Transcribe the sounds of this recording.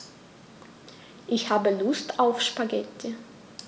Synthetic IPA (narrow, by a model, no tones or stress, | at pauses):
ʔɪçhaːbəlʊstaʊfʃpaɡɛtʰə